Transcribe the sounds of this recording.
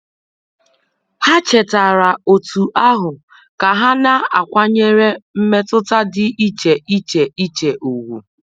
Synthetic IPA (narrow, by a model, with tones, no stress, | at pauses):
ha˦t͡ʃe˨ta˨ɾa˨o˨tʰu˨ʔa˦ɦʊ˨ | ka˨ɦa˦na˦a˨kʷa˦ɲe˦ɾe˦m̩˦me˦tʊ˦ta˦dɪ˦ʔi˦t͡ʃe˨ʔi˦t͡ʃe˨i˦t͡ʃe˨ʔo˨wu˨